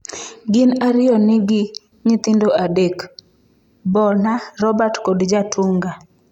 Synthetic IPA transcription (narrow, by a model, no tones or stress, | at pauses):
ɡɪnaɾɪɔnɪɡɪ | ɲɪt̪ɪndoʔadek | bɔnarɔbatkodd͡ʒatʰuŋɡa